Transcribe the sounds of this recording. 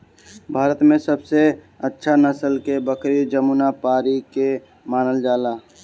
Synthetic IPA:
bʱaːɾət̪mẽsəbse | ətːʃʰanəsəlkebəkɾid͡ʒəmunapaːɾike | maːnəld͡ʒaːlaː

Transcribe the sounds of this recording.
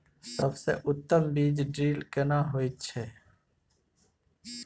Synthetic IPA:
səbsḛʔʊt̪ːəmbiːd͡ʒɖɾiːlkenaɦojt̪̚t͡ʃʰɛː

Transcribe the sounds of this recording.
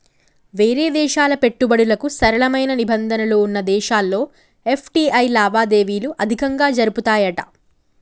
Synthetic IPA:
ʋe̞ːɾeːd̪ɛːʃaːlɐpe̞ʈːubɐɽulɐkusɐɾɐɭɐmɐjnɐnibɐnd̪ʱɐnɐlo̞ːunːɐd̪ɛːʃaːlːo̞ː | e̞pʰʈiːʔɐjlaːʋaːd̪e̞ːʋiːluʔɐd̪ʱikɐŋɡaːd͡ʒɐɾuput̪aːjɐʈɐ̥

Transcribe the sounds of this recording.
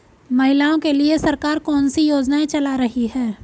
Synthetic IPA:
mɐɦɪlaːõkeliesɐɾkaːɾkɔːnsijoːd͡ʒnaẽt͡ʃɐlaɾɐɦiɦɛː

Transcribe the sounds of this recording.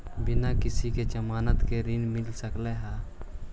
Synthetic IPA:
bɪnakɪsiked͡ʒəmaːnət̪keɾɪnmɪlsəkleɦaː

